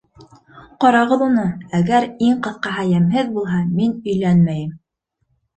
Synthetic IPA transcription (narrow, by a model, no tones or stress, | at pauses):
qɑɾɑʁɤðunɤæɡæɾiɴqɤ̆θqɑɦɑjæmɦɘðbulˠɦɑminɵ̆jlænmæjɘm